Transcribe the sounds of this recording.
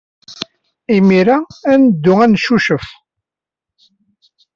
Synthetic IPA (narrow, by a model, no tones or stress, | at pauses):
imiɾaænəd̪ːʊænʃuʃəf